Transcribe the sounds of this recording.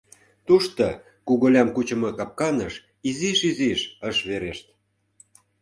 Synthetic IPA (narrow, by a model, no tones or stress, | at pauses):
t̪uʃt̪o | kuɣolʲɑmkut͡ɕə̆mɤ̆kɑp̚kɑnəʃ | iziʃiziʃəʃβeɾeʃt̪